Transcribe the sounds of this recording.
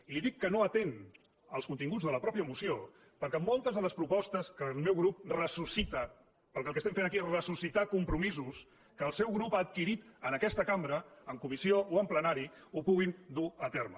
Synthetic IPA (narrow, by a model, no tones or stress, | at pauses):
iliðikːənoət̪en | əlˠskunt̪iŋɡud͡zðələpɾɔpjəmusio | pəɾkɛmolˠt̪əzðələspɾupɔst̪əskəlˠmewɣɾup̚rəsusit̪ə | pəlˠkɛəlˠkeəst̪ɛmfenəkiezrəsusit̪akumpɾumizus | kəlˠsɛwɣɾupat̪̚kiɾit̪ənəkɛst̪əkambɾəəŋkumisiooəmplənaɾiupuɣind̪uət̪ɛɾmə̰